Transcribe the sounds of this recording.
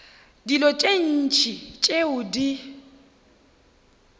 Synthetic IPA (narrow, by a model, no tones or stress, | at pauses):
dilɔt͡ʃʼen̩t͡ʃʼit͡ʃʼeʊdi